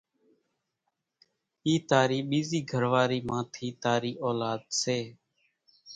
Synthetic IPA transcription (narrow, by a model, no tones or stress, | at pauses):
iːt̪aːɾiːɓiːziːɡʱəɾʋaːɾiːmãːt̪ʰiːt̪aːɾiːʔoːlaːd̪seː